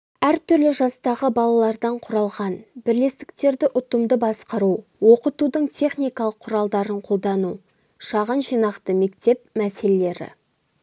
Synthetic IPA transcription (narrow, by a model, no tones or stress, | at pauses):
æɾt̪ʏɾlɪʒɑst̪ɑʁəbɑlˠɑlˠɑɾd̪ɑɴqʰʊɾɑlˠʁɑnbɪɾle̞st̪ɪ̥k̚t̪e̞ɾd̪ɪʔʊt̪əmd̪əbɑsqɑɾuwo̞qət̪ud̪əɴt̪ʰe̞χnijkɑlˠəqʰːʊɾɑlˠd̪ɑɾəɴqʰo̞lˠd̪ɑnu | ʃɑʁənʒijnɑqt̪əme̞kt̪e̞pmæse̞lele̞ɾɪ̰